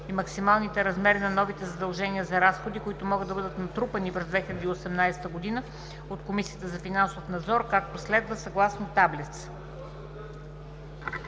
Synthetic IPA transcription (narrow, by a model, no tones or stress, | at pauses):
imɐksimalˠnit̪ɛɾɐzmɛɾinɐnɔvit̪ɛzɐd̪ɐlˠʒɛniəzɐɾasxod̪ikʊit̪ʊmɔɡɤd̪ːɐbɤəd̪ət̪nɐt̪ɾupənipɾɛzd̪vɛxilʲɐd̪iːosɛmnajsɛ̥t̪əɡod̪inə | ot̪komisijət̪əzɐfinansofnɐd̪zɔɾkak̚t̪oslɛd̪vəsɐɡlˠasnot̪ablit̪s